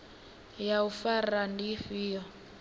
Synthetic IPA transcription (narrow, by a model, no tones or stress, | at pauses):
jaufarandiɸiːjɔ